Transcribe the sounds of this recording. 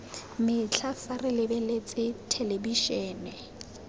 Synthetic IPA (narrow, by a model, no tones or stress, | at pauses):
mɪt͡ɬʰafarɪlɪbɛlet͡sʼɪtʰelebiʃɛːnɛ